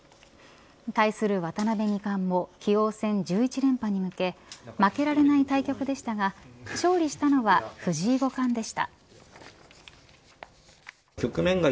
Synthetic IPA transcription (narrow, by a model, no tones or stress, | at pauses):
t̪aisɨɾɯ̟βat̪anabe̞ɲ̟ikãmːo̞kʲʰijo̞ːsẽ̞ɲ̟d͡ʑɨːit͡ɕiɾẽ̞mpaɲ̟imɯ̟ke̞make̞ɾaɾe̞nait̪aikʲo̞kɯ̟d̪e̞ɕi̥t̪aɡaɕo̞ːɾʲiɕi̥t̪ano̞βaɸɯ̟ʑiːɡo̞kãnd̪e̞ɕi̥t̪a̰ | kʲo̞kɯ̟mẽ̞ŋɡa